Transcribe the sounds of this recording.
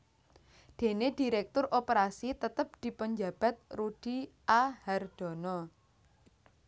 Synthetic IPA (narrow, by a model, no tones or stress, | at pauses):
d̪̥e̤ned̥i̤ɾɛk̚t̪ʊrʔopəɾasit̪ət̪əp̚d̪̥i̤pəɲd͡ʒab̥a̤t̪̚ruɖ̥iʔahard̪̥ɔ̤nɔ